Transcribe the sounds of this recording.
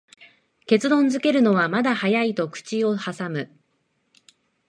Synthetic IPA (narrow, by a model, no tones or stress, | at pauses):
ke̞t͡sɨd̪õ̞nzɨke̞ɾɯ̟no̞βamad̪ahajait̪o̞kɯ̟̥t͡ɕio̞hasamɯ̟